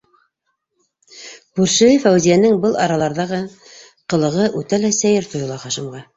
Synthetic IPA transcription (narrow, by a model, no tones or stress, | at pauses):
puɾʃɘ̆ɘfæwzijænɘŋbɤlˠʔɑɾɑlˠɑɾðɑʁɤ | qɤ̆lˠɤ̆ʁɤʔʉt̪ælæsæjɘɾt̪ŏjŏlˠɑχɑʃɤ̆mʁɑ